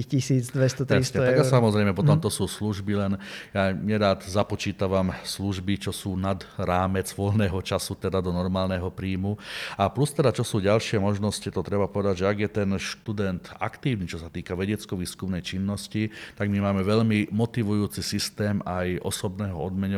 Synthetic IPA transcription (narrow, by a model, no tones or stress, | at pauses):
isiːd͡zd̪ʋɛst̪ɔt̪ɛisɲɛt̪aɡasamɔzɾɛɪmɛpɔt̪ɔmt̪ɔsuːsluʒbilɛnjaɲɛɾaːd̪zapɔt͡ʃiːt̪aʋamsluʒbit͡ʃɔsuːnad̪ɾaːmɛd͡zʋɔʎnɛːɦɔt͡ʃasut̪ɛd̪ad̪ɔnɔɾmaːlnɛɦɔpɾiːmuaplust̪ɛd̪at͡ʃɔsuːɟalʃɪɛmɔʒnɔscit̪ɔt̪ɾɛbapɔʋɛd̪aɟʒɛaɡjɛt̪ɛnʃt̪ud̪ɛnt̪a̰kt̪iːʋnit͡ʃɔsat̪iːkaʋɛɟɛt͡skɔʋiːskumnɛjt͡ʃinːɔscit̪aɡmimaːmɛʋɛʎmimɔt̪iʋujuːt͡sisist̪ɛːmajɔ̰sɔbnɛːɦɔɔd̪mɛɲɔ